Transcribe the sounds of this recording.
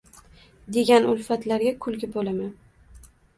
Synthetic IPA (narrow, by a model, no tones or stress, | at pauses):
d̪e̞ɡʲanʊlfat̪laɾɡʲakʰʊlɡʲɪbolaman